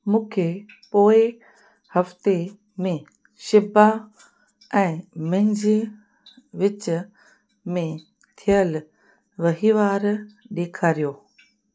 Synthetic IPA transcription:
mũːkʰe | poːɪ | hɐft̪e | mẽ | ʃɪba | ɛ̃ːmɛ̃ɦd͡ʑe | ʋɪt͡ɕ | mẽ | t̪ʰijəl | ʋɐɦiːʋaːɾ | ɗeːkʰaːɾijoː

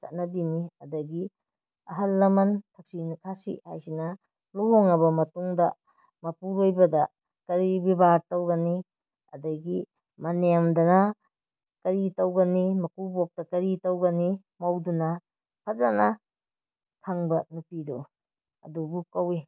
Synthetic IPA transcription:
t͡ʃɐ̰t̚nɐbimiɐdɐɡi | ɐɦɐlːɐmɐntʰɐk̚sinkʰasḭha̰jsinɐ | luɦoŋɐbɐmɐtuŋdɐ | mɐpuɾojbɐdɐ | kɐɾibibaɾtɐwɡɐni | ɐ̰dɐɡi | mɐnemdɐnɐ | kɐɾitɐwɡɐnimɐkubok̚tɐkɐɾitɐwɡɐni | mɐwdunɐ | pʰɐzanɐ | kʰaŋbɐnupidu | ɐ̰dubukɐwi

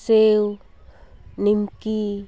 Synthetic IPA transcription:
seu | nimki

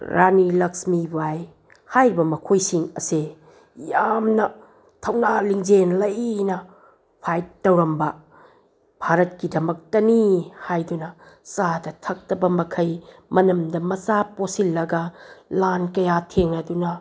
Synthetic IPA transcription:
ɾʔanilɐksmibaj | hajɾibɐmɐkʰojsiŋɐ̰se | jamnɐ | tʰɐwnaliŋd͡ʒenlɐjnɐ | pʰajtɐwɾɐmbɐ | b̥ʱaɾɐt̚kidɐmɐk̚tɐnihajdunɐ | sadɐtʰɐk̚tɐbɐmɐkʰɐjmɐnɐmdɐmɐsaposilːɐɡɐlankɐjatʰeŋnɐdunɐ

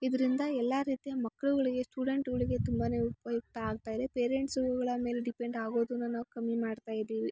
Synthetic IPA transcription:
id̪ɐɾind̪ɐɛlːaːɾiːt̪ijɐmɐkːɐɭuɡɐɭiɡe̞sʈuːɽe̞ɳʈɡɐɭiɡe̞t̪umbaːne̞ːupɐjuk̚t̪ɐaːɡ̚t̪aːjid̪e̞peːɾeɳʈsuɡɐɭɐme̞ːleɖipe̞ɳɖaːɡo̞ːd̪unːunaːʋukɐmːimaːɖt̪aːjid̪iːʋi

